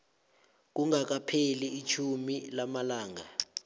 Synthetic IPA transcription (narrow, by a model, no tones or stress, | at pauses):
k̬uŋak̬apʰeliːt͡ʃʰumilamalaːŋa